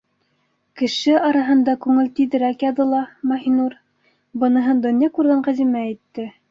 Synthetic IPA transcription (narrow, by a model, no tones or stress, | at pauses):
kɘ̆ʃɘɑɾɑɦɤ̆nd̪ɑkʉŋɘlt̪iðɘ̆ɾækjɑðɤlˠɑmɑhinuɾ | bɤ̆nɤ̆ɦɤnd̪ŏnjɑkʉɾɡæɴqæzimæit̪ːɘ